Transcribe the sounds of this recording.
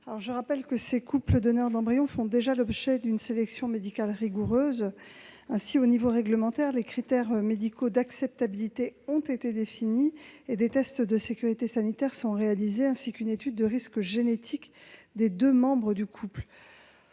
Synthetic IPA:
alɔʁʒəʁapɛlkəsekupləd̪ɔnœʁd̪ɑ̃bʁijɔ̃fɔ̃d̪eʒalɔbʒɛd̪ynselɛksjɔ̃med̪ikʲalʁiɡuʁøzɛ̃sionivoʁɛɡləmɑ̃t̪ɛʁlekχit̪ɛʁmed̪ikʰod̪aksɛp̚t̪abilit̪eɔ̃t̪et̪ed̪efinied̪et̪ɛst̪d̪əsekʲyʁit̪esanit̪ɛʁsɔ̃ʁealizeɛ̃sikynet̪yd̪ːəʁiskʒenet̪ʰikd̪ed̪ømɑ̃bʁəd̪ykʰupl

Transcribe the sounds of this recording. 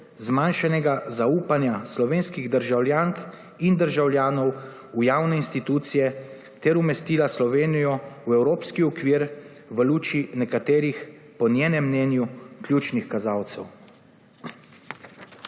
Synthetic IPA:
zmanʃanɛɡazauːpanjaslɔʋeːnskiɣd̪əɾʒawljaŋk | ind̪əɾʒawljaːnɔw | ujaːwnɛinst̪it̪uːt̪sijɛ | t̪ɛɾumɛst̪iːlaslɔʋeːnijɔwɛwɾoːpskiɔkʋiːɾ | ʋəluːt͡ʃinɛkat̪eːɾix | pɔnjeːnɛmːnɛːnjuklʲjuːt͡ʃnixkazaːwt̪sɛw

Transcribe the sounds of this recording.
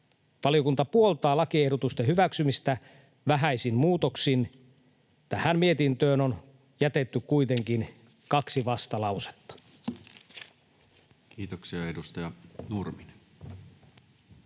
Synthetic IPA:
ʋɑliokunt̪ɑpuo̞lt̪ɑːlɑkie̞hdot̪ust̪ehyʋæksymist̪æ | ʋæɦæisinmuːt̪oksin | t̪æhænmie̞t̪int̪ø̞ːnon | jæt̪e̞t̪ːykkːuit̪e̞ŋk̟in | kɑksiʋɑst̪ɑlɑwse̥t̪ːɑ̥ | kiːt̪oksiɑedust̪ɑjɑnurmine

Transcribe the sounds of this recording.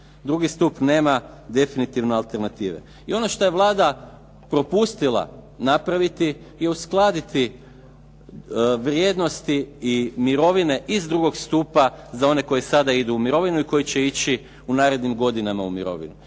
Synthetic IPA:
d̪ɾuɡist̪upne̞ːma | d̪e̞finit̪iʋnoalˠt̪e̞ɾnat̪iːʋḛ | io̞noʃt̪o̞je̞ʋlˠaːd̪a | pɾo̞pust̪ilˠa̰ | napɾaʋit̪i | je̞usklˠaːd̪it̪i | ʋɾje̞ːd̪no̞st̪iːmiɾo̞ʋine̞ʔizd̪ɾuːɡo̞ɡst̪uːpazao̞ne̞ko̞jesad̪aid̪uːmiɾo̞ʋinuiko̞jit͡ɕe̞it͡ɕi | unaːɾe̞d̪nimɡo̞d̪inamaumiɾo̞̰ʋḭnu

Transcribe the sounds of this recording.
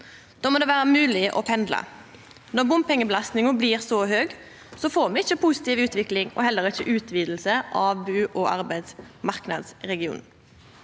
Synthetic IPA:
d̪̥oːmoːd̪eːʋæːɾəmʉːlɪʔɔ̰pʰɛnd̪lɑ̰ | nɔʁbʊmpɛŋːəbəlɑst̪nɪŋəbliːʁsɔɦøːɡ | sɔfoːʁmɛɪçəpʰʊsɪ̥t̪iːʋʉːt̪ʋɪklɪŋɔ̰hɛlːəɾɪçəʔʉːt̪ʰʋiːd̪l̩səʔɑːʋbʉːʔɔʔɑɾbæɪd̪smɑʁknɑ̰d̪sʁɛɡɪṵːn

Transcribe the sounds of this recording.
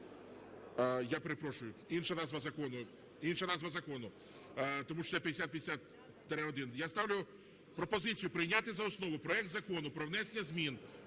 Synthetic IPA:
japeɾepɾɔʃʊjʊinʃɐnɑzʋɐzɐkɔnʊ | inʃɐnɑzʋɐzɐkɔnʊ | t̪ɔmuʃɔ̥ɛpʲjɐd̪ʲesʲat̪̚pʲjd̪ʲɪsʲat̪̚ | t̪ɾɪɔd̪ɪnjast̪ɑwlʲjʊ | pɾɔpɔzɪt͡sʲijʊpɾɪjnʲat̪ɪzɐɔsnɔʋʊpɾɔɛk̚t̪zɐkɔnʊpɾɔwnɛsʲenʲːɐzʲmʲin

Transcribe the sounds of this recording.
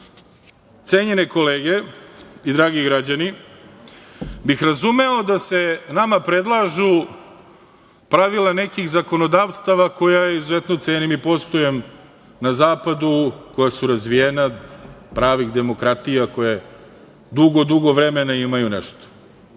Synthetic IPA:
t̪seːɲeneko̞leːɡe̞id̪ɾaːɡiɡɾad͡ʑani | bixɾazumeod̪ase̞namapɾe̞d̪lˠaʒu | pɾaʋilane̞kixzako̞nod̪aːʋst̪aʋako̞jajeizuzet̪no̞t̪eɲnimipo̞st̪ojem | nazaːpad̪uko̞jasuɾazʋijenapɾaːʋiɣd̪e̞mo̞kɾat̪ijako̞je | d̪uɡod̪uɡo̞ʋɾemenaimajunḛʃt̪o̥

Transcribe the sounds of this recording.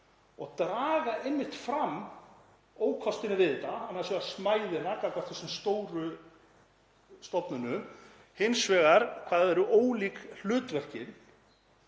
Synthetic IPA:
ɔɣt̪ɾaːɣaʔejmːɪht̪fɾam | oːwkʰɔst̪ɪnɪvɪðɪt̪aanːaðsɛvasmaːjðɪnakakvḁt̪θɛsːʏmst̪oːwɾʏ | st̪ɔpnʏnʏ | hɪnsvɛːɣaɾ̥kʰvaːðɛɾʏʔoːwliːkl̥ʏːt̪vɛr̥cɪn

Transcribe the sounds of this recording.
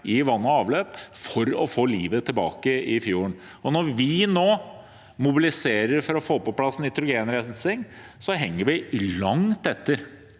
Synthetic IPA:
ɪʋɑnːɔɑːʋløːpfɔɾɔfoːliːʋət̪ʰɪlbɑ̰ːkəɪfjuːəɳ | ɔnɔɾʋɪnoː | mʊbɪlɪseːɾəɾfɔɾɔfoːpɔpʰlɑsːn̩ɪt̪ʰɾʊɡeːnɾænsɪŋ | sɔɦɛŋːəɾʋɪlɑŋt̪ɛt̪ːəɾ

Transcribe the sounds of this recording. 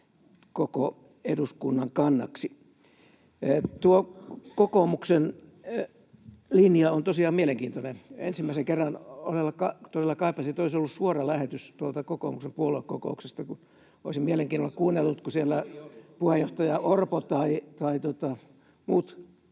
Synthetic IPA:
koko | eduskunːɑŋkɑnːɑ̰ksi | t̪uokokomuksen | linjɑont̪osiɑːmmieleŋkiːnt̪oneḛnsimːæiseŋkerːɑno̰selːɑkɑt̪oselːɑkɑipːˑɑsit̪olisolːussuorɑlæhet̪yst̪uolt̪ɑkoko̰ːmuksempuoloeko̰ko̰ˑuksest̪ɑkun | o̰isimmieleŋkiːnolːekkuːnːelːut̪kusielːæpuhejjoht̪ɑjɑʔorpot̪ɑit̪ɑit̪ot̪ɑ | muːt̪

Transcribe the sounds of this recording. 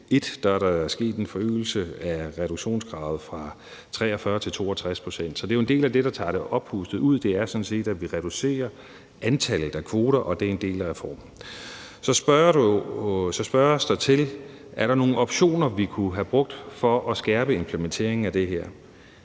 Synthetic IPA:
e̝d̥d̥ɑ̈æɐɾɑsɡ̥e̝̰ːd̥e̝nfɒ̽ø̰ːl̩səæʁɛɾ̥uɡ̥ɕo̝̰ːnsɡ̥ʁɑ̈ʊð̩ˠfʁɑ̈ | t͡sʰʁɛ̰ːɒfɶɐt͡sʰe̝lt͡sʰo̝̰ːɒt͡sʰʁaspʰʁo̝sen̰d̥sɒ̽d̥e̝joe̝nde̝̰ːlæd̥e̝ɾ̥ɑ̈t͡sʰɑ̰̈ːɾ̥eʔɒ̽b̥husd̥ð̩ˠuð̞̰ˠd̥e̝æɐsɒ̽nse̝̰ːd̥æ̥ʋiʁɛɾ̥use̝̰ːɐ | ʔænt͡sʰæl̰ð̩ˠækʰʋo̝ːɾ̥ɐʔɒ̽d̥e̝e̝nd̥e̝̰ːlæʁɛfɒ̰ːm̩ | sɒ̽sb̥ | sɒ̽sb̥ɶɐsd̥ɑ̈ɪt͡sʰe̝l | ʔæɐɾɑ̈no̝ːn̩ɒ̽b̥ɕo̝̰ːnɐʋikʰuɦæb̥ʁɔ̽ɡ̥̚d̥fɒ̽ʔɒsɡ̥ɛːb̥əe̝mpʰlement͡sʰe̝̰ɐ̰eŋn̩æd̥e̝ɦeɐ̰

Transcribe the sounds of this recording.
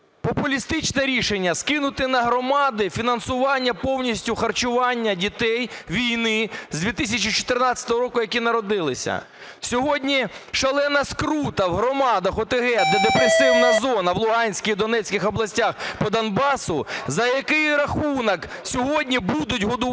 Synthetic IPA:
pɔpʊlʲist̪ɪt͡ʃnɛɾʲiʃenʲːɐskɪnʊt̪ɪnɐɦɾɔmɑd̪ɪfʲinɐnsʊʋɑnʲːɐpɔwnʲisʲtʲʊxɐrt͡ʃʊʋɑnʲːɐdʲit̪ɛjʋʲijnɪzʲdʲʋʲit̪ɪs̬ʲɐt͡ʃit͡ʃɔ̥t̪ɪrnɑt͡sʲːɐ̥t̪ɔɦɔɾɔkʊjɐkʲinɐɾɔd̪ɪlˠɪsʲɐ̰ | sʲɔɦɔdʲnʲiʃɐlˠɛnɐskɾut̪ɐwɦɾɔmɑd̪ɐxɔt̪ɪɦɛd̪ɛd̪epɾesɪwnɐzɔnɐʋlˠʊɦɑnʲsʲkɐid̪ɔnɛt͡sʲkɪxɔblˠɐsʲtʲaxpɔd̪ɐnbɑsʊzɐjɐkɪjɾɐxunɐk | sʲɔɦɔdʲnʲibud̪ʊtʲɦɔd̪ʊ

